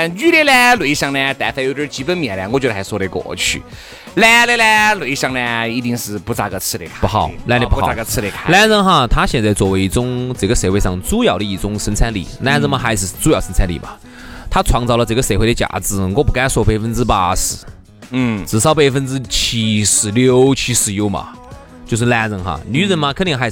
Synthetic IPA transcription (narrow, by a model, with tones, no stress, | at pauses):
ny˥˧lɛ˧lɛ˥lwe˧˥ɪ˧ɕjɑ˥˧ŋnɛ˧t̪a˧˥fʰa˧jo˧˩ə˥˧˥t͡ɕi˧˥pə˥nmjɛ˨˧˩nlŋkɔ˧t͡ɕxa˧ɪswɔ˥˧ɾə˧˩kwɔ̰˨˩˧t͡ɕʰy̰˥˩ | lɛ˥˧˥lɛ˥lɛ˥lwe˧˥˧ɕjɑ˥˧ŋnɛ˧i˧˥t̪i˥˧ŋʂɻ̩˥˧pu˧˥t͡sa˧kə˧t͡sʰɹ̩˥˧ɾe˧ɪkʰa˥pu˧˥xɑ˨˩˦ʊla˥ne˧˩pu˥˧xa˧˩˧kə˧t͡sʰɹ̩˥˧ɾe˧˩kʰa˧˥la˥nzə˥nxa˧t̪ʰa˥ɕjɛ˥˧nt͡sa˥˧ɪt͡swɔ˥˧˩we˧˥ɪi˧˩t͡sʊ˥ŋt͡sɤ˨˩ɡə˧˦se˧˥ɪwe˥˧ɪʂɑ˥˧˩ŋt͡su˥jɑ˨ʊd̪ə˧i˧˩t͡sʊ˥ŋʂə˧˥nt͡sʰa˥nlḭ˨˩la˥nd͡zə˧ŋma˧˩xa˧˥ɪʂ̩˧˩˧t͡su˥jɑ˨˩ʊʂə˧˥nt͡sʰa˥nlḭ˧˩mɐ̰˩ | t̪ʰa˥t͡sʰwɑ˧˥ŋt͡sɑ˧˩ʊlə˧t͡sɤ˨˩ɡə˧se˧˥xwɪd̪ə˧t͡ɕja̰˧˩t͡sɹ̩˧˩˨kwɔ˥˧˩pu˧˥ka˥ɪswɔ˥˧˩pe˥˧ɪfə˧˥nt͡sɹ̩˥pa̰˥ʂ̩˧˩ | n̩˥˩t͡sɹ̩˨˩ʂɑ˥ʊp̬e˥˧ɪfə˥nt͡sɹ̩˥t͡ɕʰi˧˥ʂɻ̩˧˩ljo˧˥ʊt͡ɕʰi˧˥ʂɻ̩˧˩jo˧˥ʊmɐ̰˧ | t͡ɕjo˥˧ʂ̬ɻ̩˧la˥˧nt͡sə˧˥ŋxa̰˥˧ny˧˥ɻə˧˥nma˧kʰnt̪i˧ŋxa˧˥ɪʂ